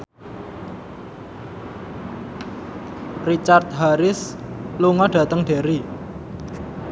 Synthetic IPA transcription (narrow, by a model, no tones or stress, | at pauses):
rit͡ʃart̪̚ɦaɾɪs | luŋɔɖ̥ä̤t̪əŋɖ̥e̤ɾi